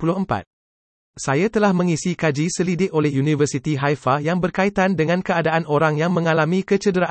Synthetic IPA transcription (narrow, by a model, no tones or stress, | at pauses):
pulʊɦəmpa̰t̪̚ | sajat̪əlahmə̃ŋisikad͡ʒisəlidɪʔ̚ʔolɛhjunĩvərsit̪iɦajfajaŋbərkait̪andəŋãnkəadaʔanoɾaŋjaŋmə̃ŋalamĩkət͡ʃədəɾaʔ